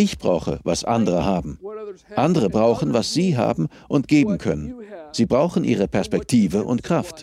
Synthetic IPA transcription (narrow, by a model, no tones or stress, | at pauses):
ʔɪçb̥ʁa̰ʊxə̰va̰sʔandəʁəhaːbm̩ʔandəʁəbʁaʊxn̩vasz̥iːɦa̰ːbm̩ | ʔʊntɡ̥eːbm̩kʰœnənz̥iːbʁaʊxn̩ʔḭːʁ̞əpʰɛɐspɛk̚tʰiːvəʔʊ̰ntkʁ̥aft